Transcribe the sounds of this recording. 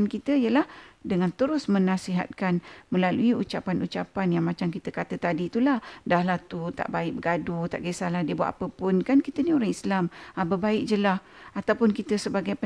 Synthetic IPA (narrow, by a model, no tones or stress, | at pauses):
nkit̪əijəlahdəŋant̪əɾʊsmə̃nãsiɦa̰t̪̚kanmə̃laluiut͡ʃapanut͡ʃapanjaŋmãt͡ʃamkit̪əkat̪ət̪adit̪ulahdahlaht̪ut̪a̰ʔbaɪʔk̚bəɡadut̪a̰ʔɡesalahdiəbua̰ʔ̪a̰pəpʊnkankit̪ənioɾaŋislamabəbaɪk̚d͡ʒəlah | at̪awpʊnkit̪əsəbaɡajpə